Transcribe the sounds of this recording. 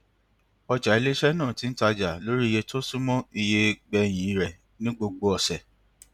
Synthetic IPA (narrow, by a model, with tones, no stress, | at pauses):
ɔ˧d͡ʒa˨i˨˧le˦ʃɛ˦nãː˦˨ti˨˦n̩˦ta˧d͡ʒa˨lo˦ɾi˦˧je˧to˦sũ˦mɔ̃˦i˧je˧ɡ͡bɛ˧j̃ĩ˨i˦ɾɛ˨ | nĩ˦ɡ͡bo˧ɡ͡bo˧ɔ˨sɛ˨